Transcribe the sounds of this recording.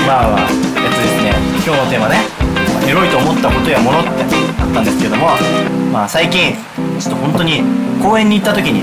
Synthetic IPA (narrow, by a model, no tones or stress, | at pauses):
maβa | be̞t͡sɨnd̪esɨne̞ | kʲo̞ːno̞t̪e̞ːmane̞aeɾo̞it̪o̞ːmo̞t̪ːako̞t̪o̞jamo̞no̞t̪ːeat̪ːãnd̪e̞sɨ̥ked̪o̞mo̞masaikʲĩŋ | t͡ɕo̥t̪ːohõ̞nt̪oɲ̟iko̞ːẽ̞ɲ̟ːiːt̪ːat̪o̞kʲiɲ̟i